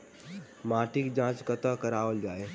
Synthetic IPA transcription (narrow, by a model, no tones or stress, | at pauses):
maːʈikd͡ʒãːt͡ʃkət̪əkəɾaːʋəld͡ʒaːe